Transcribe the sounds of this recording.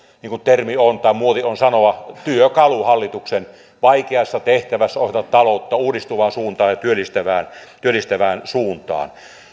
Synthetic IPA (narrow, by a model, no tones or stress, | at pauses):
niːŋkunt̪ermiont̪ɑˑimuoðionsɑnoʋɑt̪yøkɑluhɑlːit̪uksen | ʋɑikeɑsːɑt̪eht̪æʋæsːæoset̪ɑt̪t̪ɑlot̪ːɑuːdist̪uʋɑːnsuːnt̪ɑːjjɑt̪yølːˑist̪æʋæːnt̪yølist̪æʋæːnsuːnt̪ɑ̰ːn